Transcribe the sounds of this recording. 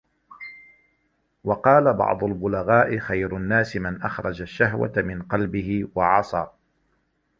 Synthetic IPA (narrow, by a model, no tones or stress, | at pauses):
wɑqɑːlabɑ̰ʕd̪ˤʊlbʊlaɣaːʔɪxajɾʊnːaːsɪmɪnʔaxɾˤɑd͡ʒaʃːaɦwa̰t̪mɪnqɑlbɪhɪwɑʕɑsˤɑː